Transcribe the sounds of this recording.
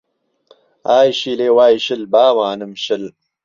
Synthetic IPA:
aːjʃiːleːwaːjʃɪlbaːwaːnɨmʃɪl

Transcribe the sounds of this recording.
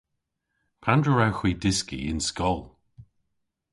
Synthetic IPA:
pʰandɹəɹawxw̥iːdɪskḭɪ̰nskɔlˠ

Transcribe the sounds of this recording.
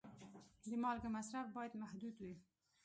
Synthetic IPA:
d̪əmɑlɡəmasɾafbɑjad̪mahd̪ud̪wi

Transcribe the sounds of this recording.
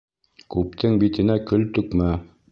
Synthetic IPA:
kʉp̚t̪ʰɘŋbit̪ɘ̆nækɵlt̪ɵ̆kmæ

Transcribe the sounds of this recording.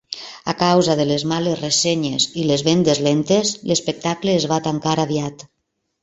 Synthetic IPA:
a̰kawzaðəlezmalezresɛɲezilezβend̪ezlent̪ezlespek̚t̪akleːzβat̪aŋkaɾaβiat̪

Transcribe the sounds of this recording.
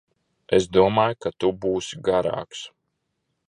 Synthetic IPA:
esd̪uɔmaːjkat̪ubuːsʲiɡaɾa̰ːks

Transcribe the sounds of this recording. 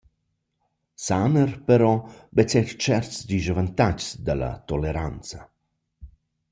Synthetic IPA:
sanərpəɾɔbɛt͡sɛrt͡ʃɛrt̪sd̪iʒəvant̪at͡ʃsd̪əla̰t̪oleɾant͡sa

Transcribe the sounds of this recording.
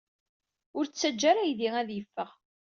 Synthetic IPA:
ʊɾt͡sːæd͡ʒːaɾæjðiæðjəfːəʁ

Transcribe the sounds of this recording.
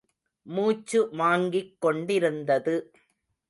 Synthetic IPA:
muːt͡ʃːɯmaːŋɡɪkːɔɳɖɪɾɯnd̪ɐðɯ

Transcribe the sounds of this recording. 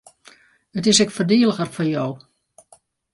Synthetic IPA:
ətɪsɛkfərdiələɣərfɔjow

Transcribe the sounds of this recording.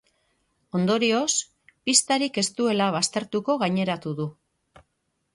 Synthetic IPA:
o̞nd̪o̞ɾio̞s | pist̪aɾike̞st̪ue̞laβ̞ast̪e̞ɾt̪uko̞ɣ̞aɲe̞ɾat̪uðu

